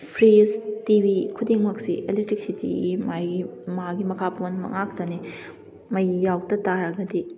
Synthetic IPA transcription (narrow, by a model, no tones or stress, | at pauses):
pʰɾiztibikʰudiŋmɐksḭʔḛlitɾik̚sitḭimajɡimaɡimɐkʰapɐmɐnmɐ̰ŋak̚tɐni | mɐjːawtɐtaɾɐɡɐdi